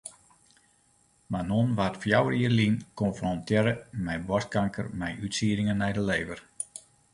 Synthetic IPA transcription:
manonʋatfjawəriərlinkɔnfrɔntʰjɪɾəmɛjbɔs̚kaŋkʰərmɛjytsiːəɾɪŋənːɛjdəleːvər

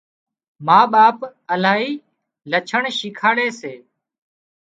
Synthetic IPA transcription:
maːɓaːpəlaːɦiː | lət͡ʃʰəɳʃɪkʰaːɽeːseː

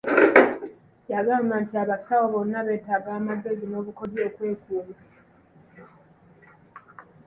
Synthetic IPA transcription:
jaɡaːmbantiaβasawoβo̞nːaβe̞ːtaɡaːmaɡːe̞zino̞ːβuko̞djo̞ːkwe̞ːkuːβa

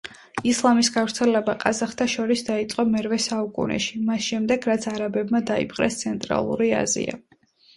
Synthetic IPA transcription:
islˠamisɡavɾt̪sʰɛlɛbaqʼazaχt̪ʰʼaʃɔɾisd̪ait̪sʼqʼɔmɛɾvɛsaukʼṵnɛ̰ʃimasʃɛmd̪ɛɡɾat̪sʰaɾabɛbmad̪aḭpʰqʼɾɛ̰st̪sʰɛnt̪ʼɾa̰lˠṵɾia̰zḭa̰

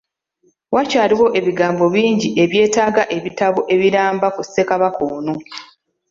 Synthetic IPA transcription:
wacaːɾiwo̞ʔe̞βiɡaːmbo̞βiːɲɟiʔe̞βje̞ːtaːɡaʔe̞βitaβo̞ʔe̞βiɾaːmbakusːekaβakoːno

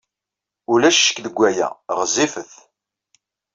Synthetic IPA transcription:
ʊlæʃːə̥kðəɡʷːæjæ̰ʁzːifəθ

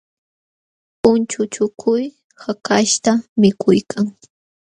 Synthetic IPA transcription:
ʊnt͡ʃʊt͡ʃʊkʰʊj | hakaʃt̪amɪkʰʊjkʰaŋ

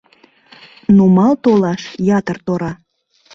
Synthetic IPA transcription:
numɑlt̪olɑʃjɑt̪ərt̪oɾɑ

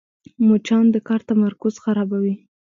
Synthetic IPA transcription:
mot͡ʃɑnd̪əkɑɾt̪amaɾkʊz̥xaɾɑbawi

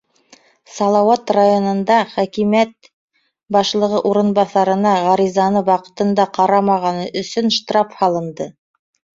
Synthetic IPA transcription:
sɑlˠɑwɑt̪rajonɤ̆nd̪ɑχækimæt̪̚ | bɑʃlˠɤ̆ʁɤʔuɾɤ̆nbɑθɑɾɤ̆nɑʁɑɾizɑnɤwɑqɤ̥̆t̪ɤ̆nd̪ɑqɑɾɑmɑʁɑnɤʔɵ̆sɵnʃt̪rɑfhɑlˠɤ̆nd̪ɤ

